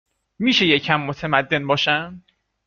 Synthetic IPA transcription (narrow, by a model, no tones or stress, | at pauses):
miːʃe̞jecʰæmːot̪ʰemæd̪ːe̞nbɒːʃæn